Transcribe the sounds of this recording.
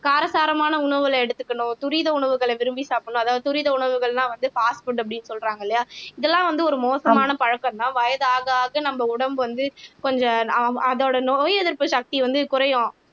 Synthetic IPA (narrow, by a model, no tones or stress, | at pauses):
kaːɾɐsaːɾɐmaːnɐʊɳɐʋɯɭɛɽɯt̪ːɯ̥kːɐɳʊ̃t̪ʊɾiðɐʊɳɐʋɯɣɐɭɐʋɪɾɯmbisaːpɐɳʊ̃ɐðaːɐðt̪ʊɾiðɐʊɳɐʋɯɣɐɭlãːʋɐnd̪ɯfaːsʈfʊʈɐpːɐɽɪnːɯsɔlɾaːŋɡɐɪlːɐjaːɪðɛlːãːʋɐnd̪ɯɔɾɯmoːsɐmaːnɐpɐɻɐkːɐ̃nːãːʋɐjɐðaːɣaːɣɐnɐmbɐʊɽɐmbɯʋɐnd̪ɯkɔɲd͡ʒɐ̃ɐðoːɽɐnoːjɛðɪɾpɯʃɐk̚t̪iʋɐnd̪ɯkʊɾɐjʊ̃